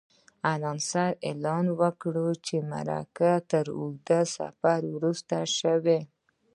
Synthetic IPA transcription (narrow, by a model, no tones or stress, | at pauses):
alɑnsaɾelɑnwəkɽut͡ʃema̰ɾa̰kat̪əɾṵɡd̪əsa̰faɾwɾust̪aʃəwe